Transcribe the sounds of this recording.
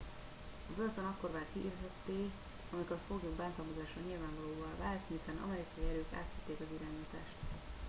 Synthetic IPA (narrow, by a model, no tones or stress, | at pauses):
ɒbølt̪onɒkko̞rvaːt̪kiʔirzɛt̪ːeː | ɒmikorfoɡjoːɡbaːnt̪ɒlmozaːʃɒɲilvaːɱvɒloːvɒlvaːlt̪misanʔɒ̰mɛɾikɒiɛɾøːka̰ːt̪it̪ːeːkɒziɾaːɲiːt̪aːʃt̪